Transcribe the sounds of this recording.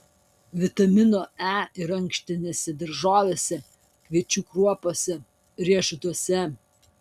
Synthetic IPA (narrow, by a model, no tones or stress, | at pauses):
ʋʲɪt̪ɐmʲɪnoːæːɪɾɐŋkʃʲt̪ʲɪnʲeːsʲɛd̪ɐɾʒoːʋʲesʲɛ | kʋʲiɛt͡ʃʲuːkɾuɔpoːsʲɛ | ɾʲiɛʃʊt̪uɔsʲɛ